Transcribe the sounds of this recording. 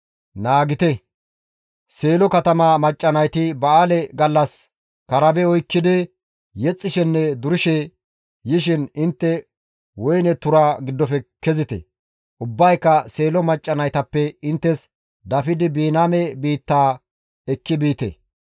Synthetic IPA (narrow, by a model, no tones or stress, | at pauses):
naːɡɪt̪ɛ | se̞ːlɔkɐt̪ɐmamɐt͡ʃʼːɐnɐjt̪ɪbɐaːlɛɡɐlːɐs | kɐɾɐbɛɔjkːɪd̪ɪ | jɛt͡sʼːɪʃɛnːɛd̪ʊɾɪʃɛ | jɪʃ̬ɪnɪnt̪ːɛ | wɔjnɛt̪ʊɾaːɡɪd̪ːɔfɛkɛzɪt̪ɛ̰ | ʔʊbːɐjkːɐse̞ːlɔmɐt͡ʃʼːɐnɐjt̪ɐpːɛɪnt̪ːɛs | d̪ɐfɪd̪ɪbiːnaːmɛbiːt̪ːaː | ɛkːɪbiːt̪ɛ̰